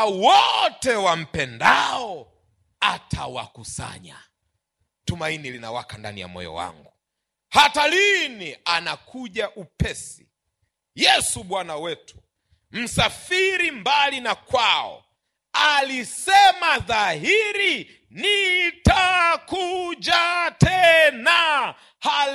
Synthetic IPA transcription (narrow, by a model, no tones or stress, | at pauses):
wɔtɛwam̩pɛndaɔ | atʰawa̰kusa̰ɲa | tumainilinawa̰kanda̰nija̰mɔ̰jɔ̰wa̰ŋɡu | hatalinianakʰuʄaʔupɛsi | jɛsuɓwanawɛtʰu̥ | m̩safiɾimbalinakwaɔ̰ | alisɛmaðaɦiɾi | nitakuʄatɛna | ha